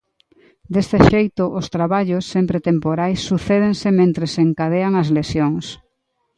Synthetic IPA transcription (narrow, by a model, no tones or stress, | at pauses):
d̪est̪eʃejt̪ʊʔost̪ɾaβaʎosːempɾet̪empoɾajsːuθeð̞eŋsɪmẽnt̪ɾeseŋkað̞eaŋɐzlesjoŋs